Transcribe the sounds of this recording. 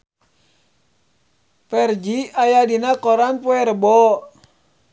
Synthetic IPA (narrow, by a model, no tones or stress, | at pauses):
pɛrd͡ʒiajadinakɔɾanpuɛɾəbɔ